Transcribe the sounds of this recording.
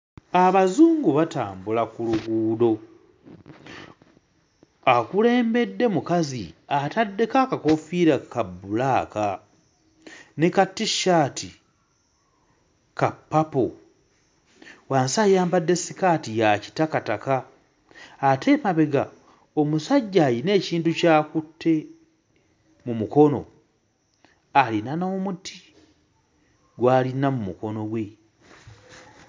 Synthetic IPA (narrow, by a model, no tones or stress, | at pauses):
aβazuːŋɡuβataːmbulakuluɡuːdo̞ | akule̞ːmbe̞dːe̞mukazḭatadːe̞kakako̞fiɾakabːulaːka | nekatːiʃaːtʰi | kapːapo | waːnsajaːmbadːe̞sikatijaci̥takatakaː | te̞maβe̞ɡa | omusaɟːaːjine̞ːciːntucaːkutʰːe̞ | mumuko̞no̞̰ | alinano̞ːmuti | ɡwaːlinamumuko̞no̞ɡwe̞